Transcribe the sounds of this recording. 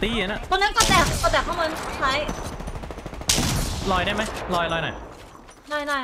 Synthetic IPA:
t̪iː˧˦˩na˦˥˩t̪oː˧na˦˥nkɔː˥˩t̪ɛː˨˩˨kɔ˧˩t̪ɛː˨˩k̚ʰːɔ˥˩maː˧˥t͡ɕʰa˦˥˩j | lɔː˧jda˥˩jma˦˥jlɔː˧jlɔː˧jnɔ̰˨˩j | lɔː˧˩jnɔː˧˩j

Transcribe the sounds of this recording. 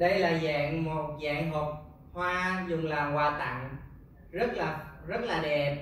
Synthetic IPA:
ɗə˧jlaː˨˩za̰ː˧˨ŋmo˨˩t̚za̰ː˧˨ŋɦo˨˩p̚ | hwaː˧zʊ˨˩ŋ͡mlaː˨˩ŋkwaː˧˩t̪a̰˧˨ŋ | zə˦˥t̚laː˨˩zə˦˥t̚laː˨˩ɗɛ˨˩p̚

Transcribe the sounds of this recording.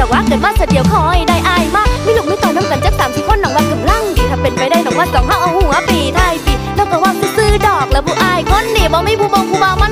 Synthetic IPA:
ɔ˨˩waː˧˥kɤː˨˦nwaː˧˩sʰaː˧˩di˨˦əwkʰɔː˧˩jdaː˧jʔaː˧jmaː˥˩k̚mi˧˩˨lu˨˩niː˧˥˦t̪ɔː˨˩naː˧˥˨mka˨˦nt͡ɕa˦˥p̚saː˨˦mt̪ʰiː˧˦kʰo˧˥˨nːɔ˨˦ŋwaː˧˩k̪ɯ˨˧˩la˧˥˩ŋt̪i˨˩a˧˩mpe˨˧˩npa˨˧˩jda˧˩jnɔ˨˦ŋwaː˧˩sɔː˨˦ŋhaː˧˩ʔa˧˩whuː˧˩ŋaː˧˥piː˧˩t̪ʰaː˧˩˨jpi˨˩nɔː˧˩kɔː˧˩waː˧˩sɯ˧˩sɯː˧˩dɔː˨˩k̚lɛː˨˥wbuː˧˩ʔaː˧jkʰo˧˥˨nːiː˧˩bɔː˧˦ma˧˥˨jbuː˧bɔː˧ŋbʰuː˧baː˧wma˧˥n

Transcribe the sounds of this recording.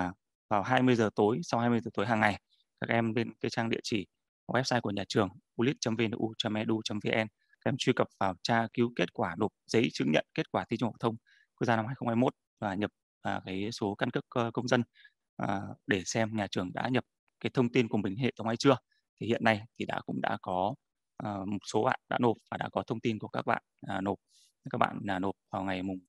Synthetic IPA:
vaː˨˩wɦaː˧jmɨ˧əjzəː˨˩t̪o˨˦jsa˧whaː˧jmɨ˧jzəː˨˩t̪o˨˦jɦaː˨˩ŋːa˨˩j | kaː˦˥k̚ʔɛ˧mle˧nki˨˦t͡ɕaː˧ŋɗḭ˧˨ət͡ɕi˧˩˨ | wɛ˦˥p̚saː˧jku˧˩əɲaː˨˩t͡ɕɨ˨˩əŋʔu˧li˦˥t̚t͡ɕə˨˦mve˧n˧ʔu˧t͡ɕɔ˧mʔɛ˧ɗu˧t͡ɕaə˨˦mve˧ʔɛ˧n | aː˦˥kʔɛ˧mt͡ɕwi˧kə˨˩p̚vaː˨˩wt͡ɕaː˧ki˨˦wke˦˥t̚kwaː˧˩no˨˩p̚z̥ə̰˧˥jt͡ɕɨ̰˧˦˥ŋɲə̰˧˨nke˦˥t̚kwaː˧˩t̪ʰi˧t͡ɕu˧ŋha˨˩w̚t̪ʰwŋ͡m | ku˧˥zaː˧na˧mhaː˧jxə˧ŋ͡mhaː˧jmo˦˥t̚ | vaː˨˩ɲə˨˩p̚ | aː˨˩kaː˨˦jso˨˦ka˧nkɨ˦˥k̚kə˧wŋ͡mzə˧n | ʔəː˨˩ɗe˧˩sɛ˧mɲaː˨˩t͡ɕɨ˨˩əŋɗa̰ː˧˥ɲə˨˩p̚ | kaː˨˦jt̪ʰə˧wŋ͡mt̪i˧nku˧˩əmï˨˩ŋ̟ɦḛ˧˨t̪ə˨˦ŋ͡mʔa˧˦jt͡ɕɨ˧ə | t̪ʰi˨˩hḭ˧˨ənːa˧jt̪ʰi˨˩ɗa̰ː˧˥kʊ̰˧˥ŋ͡mɗa̰ː˧˥kɔ˨˦ | ʔə˨˩mo˨˩t̚so˨˦ɓa̰ː˧˨nɗa̰ː˧˥no˨˩p̚vaː˨˩ɗa̰ː˧˥kɔ˨˦t̪ʰə˧wŋ͡mt̪i˧nku˧˩əkaː˦˥k̚ɓa̰ː˧˨naː˨˩no˨˩p̚ | kaː˦˥k̚ɓa̰ː˧˨nlaː˨˩no˨˩p̚vaː˨˩wŋa˨˩jmʊ˨˩ŋ͡m

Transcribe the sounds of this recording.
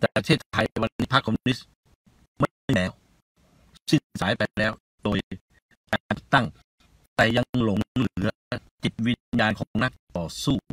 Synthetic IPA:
t̪ɛː˨˩t̪ʰeː˥˩t̪̚ʰa˧jjwa˧nːiː˦˥pʰa˦˥kʰːɔ˧m˧ni˦˥s | ma˥˩jjlɛː˦˥w | si˥˩ŋsaː˩˦jpa˧lɛː˦˥w | doː˧j | kat̪a˥˩ŋ | t̪ɛː˨˩ja˧lo˩˦ŋlɯ˩˦ɐ | t̪i˨˩t̪̚wi˦˧˥jaː˧nkʰɔː˩˨˦ŋna˦˥˩k̚t̪ɔː˨˩suː˥˩

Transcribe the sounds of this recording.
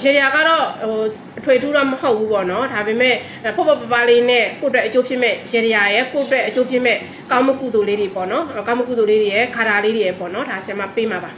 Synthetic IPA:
jɛ˨ɾə˨ja˨ɡa˦˨ɾɔ˦˨ɦo˨ | ʔətʰwe˨tʰu˦dɔ˦˨məho˦ʊpːu˦pɔ˦˨nɔ˦da˨be˨mɛ˦˨ | pʰo˦˨pɛ˦˨pə˨pa˦le˦nɛ̃˦˨ko˦˨ə˦twɛ˦ʔət͡ɕo˦pʰjɪ˦ʔmɛ˦˨jɛ˨ɾi˨ja˨jɛ˦˨ko˦˨ʔətwɛ˦ʔə˨t͡ɕo˦pʰjɪ˦ʔmɛ˦˨ | kã˦ʊ̃mə˦kṵ˦˨d̪o˨le˦ɾe˨pɔ˦˨nɔ˦˨kã˦ʊ̃mə˦ku˦˨d̪o˨le˦ɾe˨jɛ˦˨ɡa˨da˨le˦ɾe˨jɛ˦˨pɔ̰˦˨nɔ˨˦da˨sj̃ã˨ma˦˨pe˦ma˨ba˨

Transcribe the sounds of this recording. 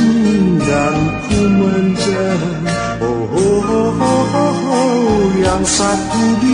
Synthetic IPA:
ɡa˨ŋ̩˨kʰu˦mə˦ɲd͡ʒɛ˦ | o˨ɦo˨ɦo˦ɦo˦ɦo˦ɦo˦ja˨ŋsa˧t̪u˦di˦

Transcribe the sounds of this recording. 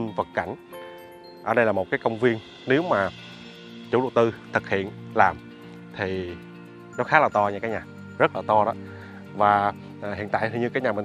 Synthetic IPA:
ŋvə˨˩t̚ka˧˩jŋ̟ | ʔəː˧˩ɗə˧jlaː˨˩mo˨˩t̚kaː˨˦jkə˧wŋ͡mvi˧ən | ne˨˦wmaː˨˩ | t͡ɕṵ˨˧˩lṵ˧˨t̪ɨ˧t̪ʰɨ˨˩k̚hḭ˧˨ənlaː˨˩m | t̪ʰi˨˩ | nɔ˨˦xaː˨˦laː˨˩t̪ɔ˧ɲaː˧kaː˨˦ɲaː˨˩ | zə˦˥t̚laː˨˩t̪ɔ˧ɗɔ˨˦ | vaː˨˩˨ | hḭ˧˨nt̪a̰ː˧˨jt̪ʰi˨˧˩ɲɨ˧kaː˨˦jɲaː˨˩mə˨˩

